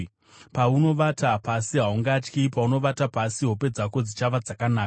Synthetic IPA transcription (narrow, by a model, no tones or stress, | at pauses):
pauno̞ʋatapasiɦauŋɡat͡ʃkipauno̞ʋatapasiɦo̞pe̞d͡zako̞d͡zit͡ʃaʋad͡zakanaːkaa